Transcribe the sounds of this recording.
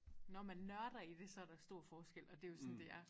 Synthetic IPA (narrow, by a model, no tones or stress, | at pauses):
nɒmænːɶɐɾ̥ɐid̥e̝sɒ̽æɐɾ̥ɑ̈sd̥o̝ɐ̰fɒːsɡ̥el̰ɒ̽d̥e̝jo̝sɒ̽nd̥e̝æɐ